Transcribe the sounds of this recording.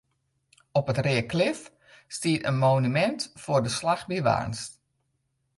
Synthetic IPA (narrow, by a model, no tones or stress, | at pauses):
ɔpətrɪːəklɪf | stiətə̰nmoːnymɛntfʊːrdəslaxbiʋa̰ːnst